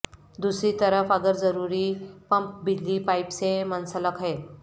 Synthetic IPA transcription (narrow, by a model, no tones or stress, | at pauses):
d̪usɾiːt̪əɾəfaɡəɾd͡zəɾuɾiːpəmp̚bidliːpajpsemənsələkʰɦe